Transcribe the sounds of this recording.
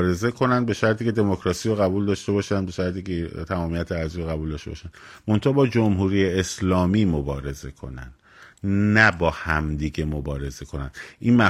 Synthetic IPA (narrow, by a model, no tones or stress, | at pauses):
ɾe̞ze̞kʰo̞nænd̪̚be̞ʃæɾt̪ʰiːcʰe̞d̪e̞mocʰɾɒːsiɾoɣæbuːld̪ɒːʃt̪e̞bɒːʃænd̪be̞ʃæɾt̪ʰiːcʰet̪ʰæmɒːmijæt̪ʰeæɾzioɣæbuld̪ɒːʃt̪e̞bɒːʃænmo̞nt̪ʰɒːbɒːd͡ʒomɦuːɾiːjeeslɒːmiːmobɒːɾe̞ze̞kʰo̞̰næ̰nd̪̥ | næbɒːhæmd̪iːɟemobɒːɾe̞ze̞kʰo̞næ̰nd̪̥ʔiːnmæ